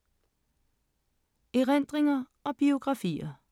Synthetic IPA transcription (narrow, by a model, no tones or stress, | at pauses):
iʁend̥ʁeŋɐ | ɒ̽b̥io̝ɡ̥ʁɑ̈fḭːɐ